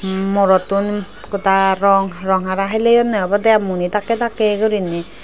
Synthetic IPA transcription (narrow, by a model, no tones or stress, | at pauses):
mɔɾɔt̪un | kɔtaɾɔŋɾɔŋaɾaɦilejɔnɛbɔd̪ɛamunit̪akɛt̪akɛɡɔɾini